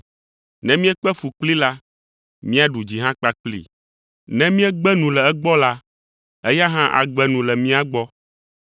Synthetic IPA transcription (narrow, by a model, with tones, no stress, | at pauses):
nɛ̃˦mĩ˦ɛ˦k͡pɛ˦fu˨k͡pli˦la˦ | mĩ˦a˦ɖu˨d͡ʑi˨ɦã˦k͡pa˦k͡plḭ˨ | nɛ̃˦mĩ˦ɛ˦ɡ͡bɛ˦nũ˨lɛ˨ɛ˦ɡ͡bɔ˦la˦ | ɛ˦ja˦ɦã˦ʔa̰˨ɡ͡bɛ˦nũ˨lɛ˨mĩ˦a˦ɡ͡bɔ˦